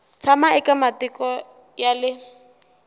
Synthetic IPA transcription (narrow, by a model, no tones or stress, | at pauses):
t͡sʰamaɛkʼamatɪkʼɔ | jalɪ